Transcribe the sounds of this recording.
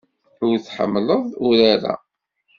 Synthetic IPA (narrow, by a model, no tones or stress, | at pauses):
ʊɾθħə̰mːləðˤuɾaɾæ̰